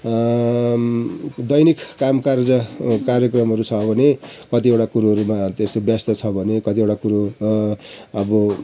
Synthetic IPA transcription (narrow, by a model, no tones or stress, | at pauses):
d̪ʌjnikːamkard͡zʌkaɾjekrʌmɦʌɾut͡sʰʌbʱʌnekʌt̪iewʈakuɾuɦʌɾumat̪esobjast̪ʌt͡sʰʌbʱʌnekʌt̪iewʈakuɾo | ʌbʌ